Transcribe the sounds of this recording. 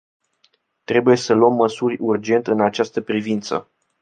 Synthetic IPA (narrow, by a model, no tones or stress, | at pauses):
t̪ɾe̞buje̞səluəmːəsurʲurd͡ʒe̞nt̪ɨnat͡ʃast̪əpɾivint̪sə̰